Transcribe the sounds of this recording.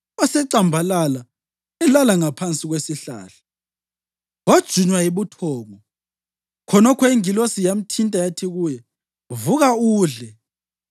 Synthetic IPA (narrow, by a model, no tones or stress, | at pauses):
ɔsɛǀambʱalala | ɛlalaŋapʰant͡sʼiɣwesiɬa̰ːɬḁ | wad̥ʒ̥ʱuɲwajiβutʰɔːŋɔ | kʰɔnɔkʰɔiŋilosijam̩tʰintʼajatʰiɣujɛ | vuɣauːɮɛ